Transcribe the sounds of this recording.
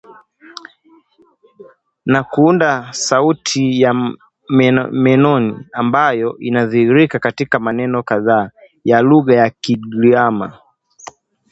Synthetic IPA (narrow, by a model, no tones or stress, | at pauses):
nakuundasautʰija | mɛnɔniambajɔʔinaðihiɾikakatikamanɛnɔkaðaː | jaluɣajakiɡiama̰